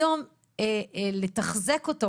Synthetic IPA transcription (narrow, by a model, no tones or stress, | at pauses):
om | eletaχzekoto